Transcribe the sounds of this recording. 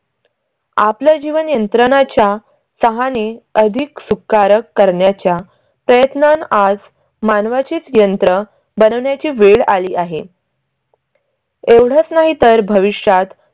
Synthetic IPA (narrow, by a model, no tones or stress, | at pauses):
a̰pljad͡ʑiʋənjənt̪ɾəɳ̃at͡ɕja | səɦaneəd̪ʱiksukːaɾəkːəɾɳjat͡ɕja | pɾəjət̪nanad͡z | manʋat͡ɕiːt͡sjənt̪ɾə | bənəʋɳjat͡ɕiːʋeɭaliːʔaɦe | eʋɽ̤ət͡snaɦit̪əɾbʱəʋiʂjat̪